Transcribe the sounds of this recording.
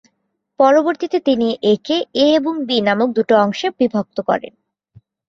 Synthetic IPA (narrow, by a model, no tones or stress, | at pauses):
pɔɾoboɾt̪it̪et̪iniʔekeeeboŋbinamok̚d̪uʈoɔŋʃebibʱok̚t̪okɔ̰ɾḛn